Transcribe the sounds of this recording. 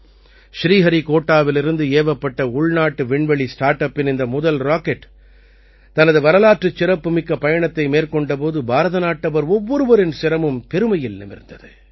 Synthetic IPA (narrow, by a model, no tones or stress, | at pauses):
ʃɾiːɣɐɾikoːʈːaːʋɪlɪɾɯnd̪ɯeːʋɐpːɐʈːɐʊɭnaːʈːɯʋɪɳʋɐɭisʈaːɾʈɐpːɪnɪnd̪ɐmʊðɐlɾaːkɛʈː | t̪ɐnɐðɯʋɐɾɐlaːʈrɯt͡ʃːɪɾɐpːɯmɪkːɐpɐjɐɳɐt̪ːɐɪmeːɾkɔɳɖɐp̬oːðɯbʱaːɾɐðɐnaːʈːɐʋɐɾɔʋːɔɾɯʋɐɾɪnsɪɾɐmɯmpɛɾɯmɐjɪlnɪ̰mɪ̰ɾnd̪ɐðɯ